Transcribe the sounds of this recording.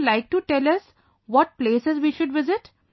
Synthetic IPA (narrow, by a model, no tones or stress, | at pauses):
laɪk̚ʈuʈɛlɐs | ʋɔʈ̚pleːsɪzʋiːʃʊɖʋɪzɪʈ